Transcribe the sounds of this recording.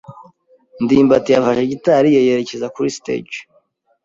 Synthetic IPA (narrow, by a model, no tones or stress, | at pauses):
ndiːmbatijafaʃeɟitaɾijejeɾe̞ce̞zakuɾistḛd͡ʒ